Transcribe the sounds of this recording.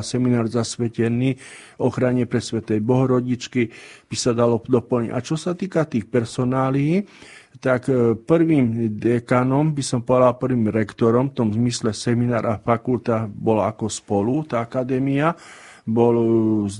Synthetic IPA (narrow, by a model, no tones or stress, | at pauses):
sɛminaːɾzasʋɛcɛniː | ɔxɾaɲɛpɾɛsʋɛt̪ɛjbɔɦɔɾɔɟit͡ʃkib̥isad̪alɔd̪ɔpl̩ɲḭa̰t͡ʃɔsat̪iːkat̪iːxpɛɾsɔnaːli | t̪akpɾ̩ʋiːmd̪ɛkanɔmbisɔmpɔʋɛd̪alpr̩ʋiːmɾɛkt̪ɔɾɔmft̪ɔmzmislɛsɛminaːɾʔafakult̪abɔlaakɔspɔlut̪aakad̪ɛːmia | bɔlz